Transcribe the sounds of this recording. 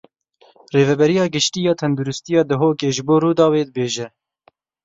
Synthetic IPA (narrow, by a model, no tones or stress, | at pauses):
reːvɛbɛɾijɑːɡɨʃt̪iːjɑːt̪ʰɛnd̪uɾɪst̪ijɑːd̪ɨɦoːkeːʒɨboːɾuːd̪ɑːweːd̪əbeːʒɛ